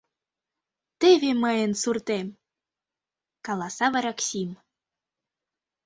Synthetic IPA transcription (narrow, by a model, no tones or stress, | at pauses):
t̪eβeməjənsurt̪em | kɑlˠɑsɑβɑɾɑksʲim